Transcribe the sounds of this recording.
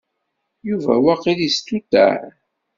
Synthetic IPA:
juvæ̰wæqːilist̪ut̪ːæ̰ɾ

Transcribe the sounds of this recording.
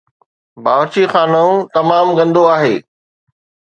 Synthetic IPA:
baːʋt͡ɕixaːnəũt̪ɐmaːmɡɐ̃nd̪ʱoaːɦeː

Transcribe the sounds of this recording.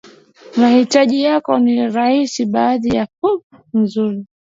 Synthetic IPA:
mahitaʄijakɔniɾahisiɓaːðijafu | n̩zuɾi

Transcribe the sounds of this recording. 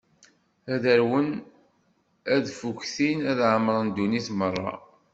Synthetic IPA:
æðəɾwən | æðfuçθinæðʕəməɾˤənd̪uniθmərˤːɑ̰

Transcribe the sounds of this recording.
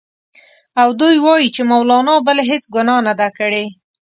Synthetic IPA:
awd̪ujwɑjit͡ʃemawlɑnɑbəleɦesɡʊnɑnad̪akəɽe

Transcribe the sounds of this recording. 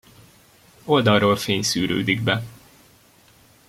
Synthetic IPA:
o̞ld̪ɒrroːlfeːɲsyːɾø̰ːd̪iɡ̚bɛ

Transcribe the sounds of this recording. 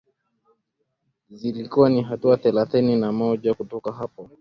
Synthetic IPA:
zilikuwaniɦatuaθɛlaθɛninamɔʄakutɔkaɦapɔ

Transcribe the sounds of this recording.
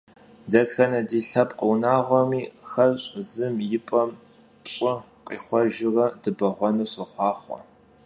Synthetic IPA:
dɐdxɐnɐdiːɬɐpʼqəwnaːʁʷɔmiːxɐɕʼzɨmjɪpʼɐm | pɕʼɐ | qʼiːχʷɔʒɪrɐdɨbɐʁʷɔnuːsɨχʷɑːχʷɔ̰

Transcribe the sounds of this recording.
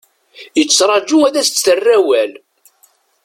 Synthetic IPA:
jət͡sːɾˤɑd͡ʒuæðæst͡sːθərːæwæl

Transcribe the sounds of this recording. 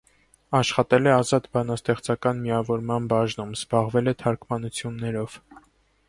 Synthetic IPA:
ɑʃχɑt̪ɛlɛɑzɑt̪bɑnɑst̪ɛχt͡sɑkɑnmiɑvɔɾmɑnbɑʒnumz̥bɑʁvɛlɛt̪ʰɑɾkʰmɑnut͡sʰjunːɛɾɔv̥

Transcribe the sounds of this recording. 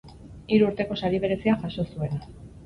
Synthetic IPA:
iɾuːɾt̪e̞ko̞saɾiβe̞ɾe̞siaʝaso̞sue̞na

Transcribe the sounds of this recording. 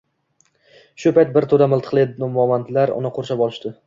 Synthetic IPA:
ʃʊpajt̪̚bɪɾt̪ʰod̪amɪlˠt̪ʰɨ̥qlˠed̪ɪnʊmɒmant̪laɾʊ̰nɪqʰoɾʃabɒlˠɪʃt̪ɪ

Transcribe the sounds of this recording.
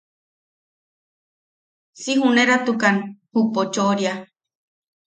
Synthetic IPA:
siɦuneɾat̪ukanhupot͡ʃoɾia

